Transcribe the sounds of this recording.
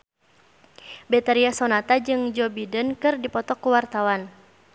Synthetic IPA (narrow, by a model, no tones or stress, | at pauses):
bɛt̪aɾiasɔnat̪ad͡ʒɨŋd͡ʒɔbidənkɨrdipɔt̪ɔkːuwart̪awan